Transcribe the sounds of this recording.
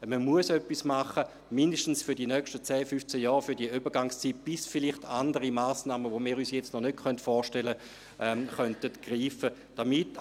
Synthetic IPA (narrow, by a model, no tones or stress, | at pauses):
məmuəsœpːismaχə | mindəʃtn̩sfyɐdinœkʃtət͡sɛːfyft͡sɛjɔːʁfyɐdiəybɐɡaŋst͡siːt̚b̥ɪsfɪlɪχtʰandəʁimaːsnaːməvomiːʁyːsjɛt͡stnɔnøtχœntfɔːʃtɛlə | ʔɛχœntətɡ̥ʁiːfə | d̥amit